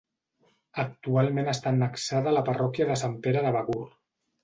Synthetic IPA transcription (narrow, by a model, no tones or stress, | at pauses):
ək̚t̪ualˠmenəst̪anːəksaðələparɔkjəðəsampeɾəðəβaɣur